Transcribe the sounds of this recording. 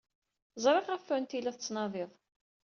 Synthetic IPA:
zˤɾˤɪʁæfːænt̪ilæθət͡sːnɑðˤɪðˤ

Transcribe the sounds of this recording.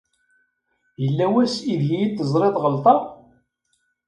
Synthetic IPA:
jəlːæwæsiðjijit̪ːəzˤɾˤeðˤʁəlt̪ˤɑˤ

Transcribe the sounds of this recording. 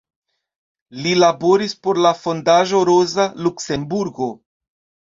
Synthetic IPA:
lilabo̞ɾispo̞ɾlafo̞ndaʒo̞ɾo̞zalukse̞mbuɾɡo̞

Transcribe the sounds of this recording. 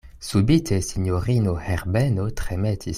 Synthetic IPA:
subit̪ʰɛsiɲɔʁinohɛʁbɛnot̪χɛmɛt̪ʰi

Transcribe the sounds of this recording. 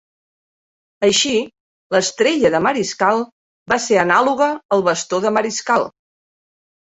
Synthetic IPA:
əʃi | ləst̪ɾeʎəðəməɾiskalˠ | baseənaluɣəːlˠβəst̪oðəməɾiskalˠ

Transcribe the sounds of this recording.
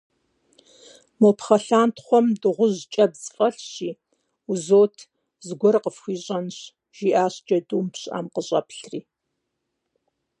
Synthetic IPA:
mopχɐɬaːntχʷɔmdɨʁʷʊʑt͡ʃʼɐbzfʼɐɬɕiː | uzoːtʰ | zɡʷɔrqəfxʷiːɕʼɐnɕ | ʒ̥iʔaːɕd͡ʒɐduːmpɕa̰ːmqəɕʼɐ̰pʰɬriː

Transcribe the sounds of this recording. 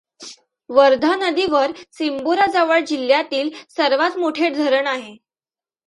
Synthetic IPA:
ʋəɾd̪ʱanəd̪iʋəɾsimboɾad͡zaʋəɭd͡ʑiljat̪iːlsəɾʋat̪moʈʰeʈd̪ʱəɾəɳaɦe

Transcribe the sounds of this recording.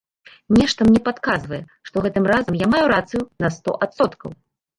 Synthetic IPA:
nʲɛʂt̪ɐmnʲɛpat̪kazvɐjɛ | ʂt̪ɔɣɛt̪ɨmɾazɐmjamajuɾat̪sɨjunɐst̪ɔ̰ʔat̪sɔt̪kɐ̰w

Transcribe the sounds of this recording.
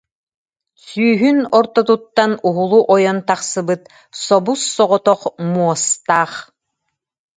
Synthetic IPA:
syːɦynɔɾt̪ɔt̪̬ut̪ːanuɦulˠuʔɔjɔnt̪aχsɯbɯt̪̚ | sɔbusːɔʁɔt̪ɔχmuɔst̪aːχ

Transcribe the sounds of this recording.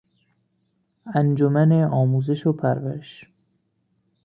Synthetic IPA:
ænd͡ʒomæneʔɒːmuːze̞ʃopʰæɾvæ̰ɾeʃ

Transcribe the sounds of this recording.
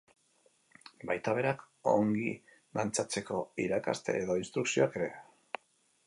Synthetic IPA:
bajt̪aβ̞e̞ɾak | o̞̰ŋɡḭ | lant͡sat͡se̞ko̞iɾaka̰st̪e̞̰ːðo̞inst̪ɾuksio̞ake̞ɾe̞̰

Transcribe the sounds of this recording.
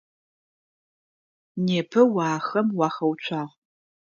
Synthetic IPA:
neːpʰɐwɑːxɐmwɑːxɐwt͡ʃʷʰaːʁ

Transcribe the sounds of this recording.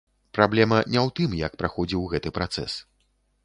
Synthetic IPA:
pɾablʲɛmɐnʲɛwt̪ɨmjɐk̚pɾaxɔd͡zʲiwɣɛt̪ɨpɾat̪sɛ̰s

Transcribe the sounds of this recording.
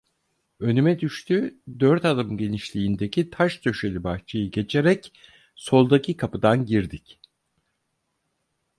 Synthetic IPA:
ø̞nymɛd̪yʃt̪ʰyd̪øɾt̪ad̪ɯmɟe̞niʃlʲiːnd̪ecʰit̪ʰaʃt̪ʰø̞ʃelʲibaht͡ʃʰajɯɟe̞t͡ʃʰe̞ɾɛc | so̞lˠd̪acʰikʰapɯd̪anɟiɾd̪ic

